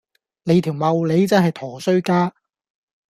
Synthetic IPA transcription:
le˨˧jt̪ʰiː˨˩wmɐ˨˧wle˨˧jt͡sɐ˥nɦɐ˨jt̪ʰɔː˨˩sɵ˥ɥkaː˥

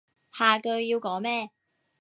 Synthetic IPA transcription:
haː˨˩kɵ˧ɥjiː˧wkɔː˨˥ŋmɛː˥

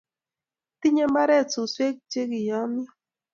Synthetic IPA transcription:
ti˦ɲe˦mba˦ɾɛ˦˨t͡su˨swe˦k̚t͡ʃe˦ki˨jɔ˨˦m˦ɔ˦

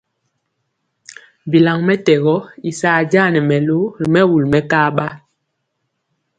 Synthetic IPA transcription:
bi˨la˨ŋmɛ˦tɛ˨ɣɔ˦i˨saː˨d͡ʒa˦˨nɛ˨mɛ˨lo˦˨mɛ˦wu˨lmɛ˦ka˦ɓa˦

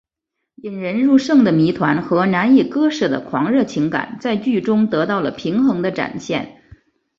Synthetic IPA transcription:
i˨˩nɻə˧˥nɻu˥˧ʂɤ˥˩ŋd̪ə˩mi˧˥t̪ʰwa˧˥nxɤ˧˥na˧˥nji˥˩kɤ˥ʂɤ˥˩d̪ə̰˩kʰwɑ˧˥ŋɻɤ˥˩t͡ɕʰi˧˥ŋka̰˨˩˦nt͡sa˥˧ɪt͡ɕy˥˩ʈ͡ʂʊ˥ŋt̪ɤ˧˥t̪ɑ˥˩ʊlə˩pʰi˧˥ŋxɤ˧˥ŋd̪ə˧ʈ͡ʂa̰˨˩nɕjɛ˥˩n

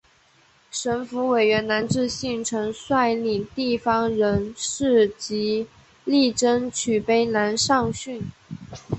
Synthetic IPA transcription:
ʂə˧˥nfu˧˥we˨˩ɪɥɛ˧˥nna˧˥nʈ͡ʂɻ̩˥˧ɕi˥˩ŋʈ͡ʂʰɤ˧˥ŋswa˥˧ɪli˨˩ŋt̪i˥˩fɑ˥ŋɻə˧˥nʂɻ̩˥˩t͡ɕi˧˥ | li˥˩ʈ͡ʂə˥nt͡ɕʰy˨˩pe˥ɪna˧˥nʂɑ˥˧ŋɕy˥˩n

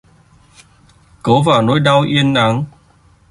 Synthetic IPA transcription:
ko˨˦vaː˨˩wno˨˦jɗa˧wʔi˧ənːa˨˦ŋ

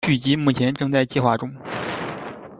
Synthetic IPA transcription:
t͡ɕy˥˩t͡ɕi˧˥mu˥˩t͡ɕʰjɛ˧˥nʈ͡ʂɤ˥˧ŋt͡sa˥˧ɪt͡ɕi˥˧xwa˥˩ʈ͡ʂʊ˥ŋ

